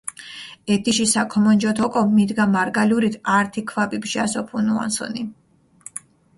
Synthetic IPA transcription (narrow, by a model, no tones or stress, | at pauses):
ɛt̪ʰiʃisakʰɔmɔnd͡ʒɔt̪ʰɔkʼɔmid̪ɡamaɾɡaliuɾit̪ʰaɾt̪ʰikʰvapibʃiasɔpʰunua̰nsɔ̰ni